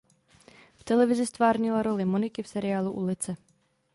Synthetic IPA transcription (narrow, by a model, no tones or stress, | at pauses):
ft̪ɛlɛʋizist̪ʋaːɾɲilaɾɔlimɔnikifsɛɾɪaːluʔṵlit͡sɛ